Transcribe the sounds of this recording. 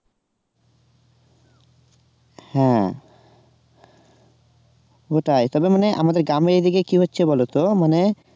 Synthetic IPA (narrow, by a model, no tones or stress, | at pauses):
hɛ̃ | oʈajt̪ɔbemaneʔa̰mad̪eɾɡɾameɾejd̪ikekiɦotːɕʰebɔlot̪omane